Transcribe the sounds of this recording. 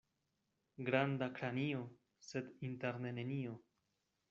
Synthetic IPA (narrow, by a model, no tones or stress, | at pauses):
ɡɾandakɾanio̞ | se̞d̪inteɾne̞nenio̞